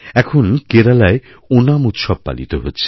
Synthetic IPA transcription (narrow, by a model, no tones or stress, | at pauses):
ɛkʰonkeɾalae | onamut̪ʃɔb̚pa̰lḭt̪oɦotːɕʰe̥